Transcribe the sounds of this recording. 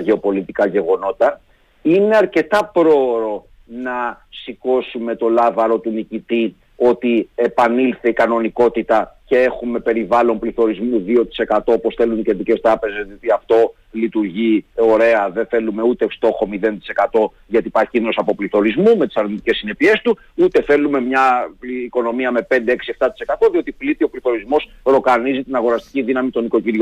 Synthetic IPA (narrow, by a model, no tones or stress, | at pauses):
ʝe̞o̞po̞lit̪ikɐʝe̞ɣo̞no̞t̪ɐ | ine̞ɐɾce̞t̪ɐpɾo̞ɾo̞ | nɐsiko̞sume̞t̪o̞lɐvɐɾo̞t̪unicit̪i | o̞t̪iepɐnilθeikɐno̞niko̞t̪it̪ɐce̞e̞xume̞pe̞ɾivɐlo̞mpliθo̞ɾizmuðio̞t̪i̥se̞kɐt̪o̞opo̞sθe̞luniceðice̞st̪ɾɐpe̞ze̞zðiot̪iɐft̪o̞ | lit̪uɾʝio̞ɾe̞ɐðeθe̞lume̞ut̪e̞st̪o̞xo̞miðe̞nt̪i̥se̞kɐt̪o̞ | ʝɐt̪ipɐɾçiinnosɐpo̞pliθo̞ɾizmume̞t̪i̥sɐɾnit̪i̥ce̞sːine̞pie̞st̪u | ut̪e̞θe̞lume̞mɲɐːko̞no̞miɐme̞pe̞nd̪e̞eksie̞ft̪ɐt̪i̥se̞kɐt̪o̞ðio̞t̪iplit̪io̞pliθo̞ɾizmo̞sɾo̞kɐnizit̪inɐɣo̞ɾɐst̪i̥ciðinɐmit̪o̞niko̞ciɾʝo